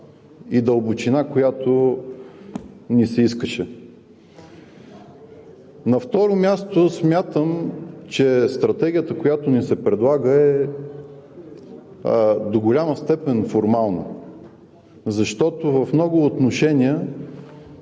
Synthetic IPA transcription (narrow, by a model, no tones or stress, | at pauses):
id̪əlˠbot͡ʃinakojat̪o | nisɛiskəʃɛ | nɐft̪ɔɾomʲjast̪osmʲjat̪əmt͡ʃɛst̪ɾɐt̪ɛɡʲijət̪əkojat̪ʊnisɛpɾɛd̪lˠaɡəɛ | d̪oɡolʲaməst̪ɛpɛnfoɾmalˠnə̰ | zɐʃt̪ɔt̪ʊvɐfmnɔɡʊːt̪noʃɛnʲiə